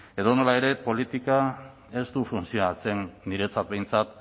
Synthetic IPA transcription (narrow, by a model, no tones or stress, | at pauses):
e̞ðono̞lae̞ɾe̞po̞lit̪ika | e̞st̪ufunsio̞nat͡se̞nːiɾe̞t͡sat̪̚be̞jnt͡sat̪̚